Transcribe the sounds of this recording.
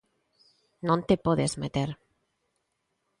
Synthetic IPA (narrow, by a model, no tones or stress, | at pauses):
nõnt̪epoðezmet̪eɾ